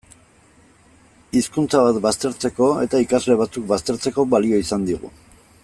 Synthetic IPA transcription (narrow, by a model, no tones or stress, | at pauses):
iskunt͡saβat̪bast̪e̞ɾt͡se̞ko̞e̞̰t̪aikazle̞βat͡sukbast̪e̞ɾt͡seko̞βalio̞isand̪iɣṵ